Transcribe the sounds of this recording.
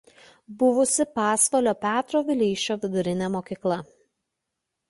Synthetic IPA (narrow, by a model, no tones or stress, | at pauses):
bʊʋʊsʲɪpɑːsʋolʲoːpʲæːt̪ɾoːʋʲɪlʲiːʃʲt͡ʃʲoːʋʲɪd̪ʊɾʲɪnʲɛmoːkʲiːklˠɐ